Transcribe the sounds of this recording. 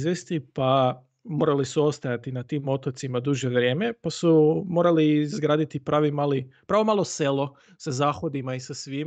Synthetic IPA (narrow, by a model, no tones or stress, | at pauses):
zʋest̪ipa | mo̞ːɾalisuo̞st̪ajat̪inat̪iːmo̞t̪ot̪simad̪uːʒjeʋɾje̞ːme̞pasumo̞ːɾalizɡɾaːd̪it̪ipɾaːʋimaːlipɾaːʋo̞maːlˠoselˠo̞ | sazaːxo̞d̪imaisasʋiːm